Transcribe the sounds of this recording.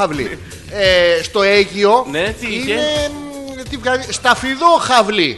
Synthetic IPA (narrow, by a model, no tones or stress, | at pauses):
ɐvlḭ | est̪o̞eʝio̞net̪ine | t̪ivɣɐðist̪ɐfiðo̞xɐvli